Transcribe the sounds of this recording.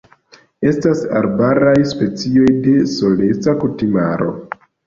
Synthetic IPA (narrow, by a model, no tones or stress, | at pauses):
e̞stasa̰ɾbaɾajspe̞t͡sio̞jde̞so̞le̞t͡sakutimaɾo̞̰